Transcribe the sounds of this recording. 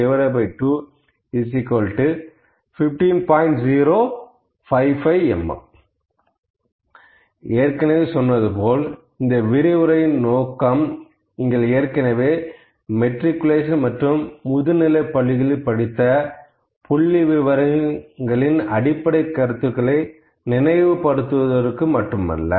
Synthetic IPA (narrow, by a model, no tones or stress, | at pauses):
ɛʋɐɾɐbɐɪʈːuː | is̬ɪkoːlʈːɯ | fɪfʈiːnpaːɪɳʈziːɾoː | fɐɪfɐɪɛ̰m̰ | eːɾkɐnɐʋeːsɔnːɐðɯpoːl | ɪnd̪ɐʋɪɾɪʋɯɾɐjɪnnoːkːɐm | ɪŋɡɐɭeːɾkɐnɐʋeː | mɛʈɾɪkːʊleːʂ̬ɐnmɐʈrɯmːʊðɯnɪlɐɪpːɐɭːɪɣɐɭɐɪpːɐɽɪt̪ːɐ | pʊɭːiʋɪʋɐɾɐŋɡɐɭɪnɐɽɪpːɐɽɐɪkːɐɾɯt̪ːɯkːɐɭɐɪ | nɪnɐɪʋɯpɐɽɯt̪ːɯʋɐðɐɾɯkːɯmɐʈːɯmɐ̰lːɐ̰